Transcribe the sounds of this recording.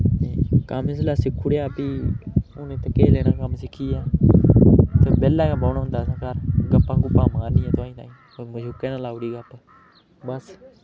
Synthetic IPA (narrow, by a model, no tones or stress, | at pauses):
neːkəmɪs̬laːsɪkʰuɽjaːpiːʊnẽːt̪əkeːleːɽaːkəmsɪkʰiːaː | t̪eːbɛːlːaːkãbaːnaɦʊ̃nd̪aːsãːkəɾɡəpːãːkʊpːaːmaːɾniːãːt̪ʊãːĩːt̪a̰ːĩː | oməd͡ʒʱʊːkeːnãːlaːuɽiːɡəpː | bəs